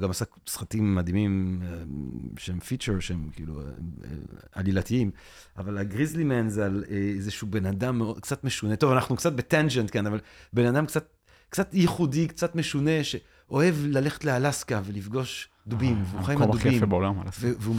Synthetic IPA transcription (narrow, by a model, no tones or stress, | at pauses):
ɡamasaksχatimːad̪imimeʃeemfit͡ʃeʁʃeemkiḭlṵḛ | a̰lilat̪iim | avalaɡʁizlimenzaleezeʃube̞nadamːeodkt͡sat̪meʃune̞t̪o̞vanaχnukt͡sat̪̚bet̪and͡ʒent̪̚kenavalbe̞nad̪amkt͡sat̪̚ | kt͡sat̪jeχudikt͡sat̪meʃune̞ʃe | ʔo̞e̞vlale̞χe̥tlealaskave̞lifɡo̞ʃ | d̪ubimveuχajimadukbeimebeolama̰laveveu